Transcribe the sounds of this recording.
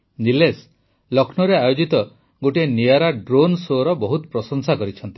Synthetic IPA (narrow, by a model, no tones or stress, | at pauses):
niles | lɔkʰnɔɾeajod͡ʒit̪ɔ | ɡoʈieniaɾaɖɾonsoɾɔbɔɦut̪ɔpɾɔsɔŋsakɔɾit͡ʃʰɔnt̪i̥